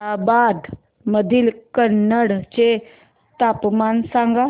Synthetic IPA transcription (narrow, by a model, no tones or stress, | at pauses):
abad̪ | məd̪ʱilkənːəɽt͡ɕe | t̪apmansãŋɡa